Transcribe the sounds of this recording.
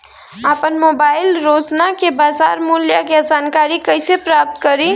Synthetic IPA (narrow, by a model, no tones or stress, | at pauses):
apənmobailɾot͡ʃnakebad͡ʒaɾmuljaked͡ʒankaɾikəjsepɾap̚t̪kəɾi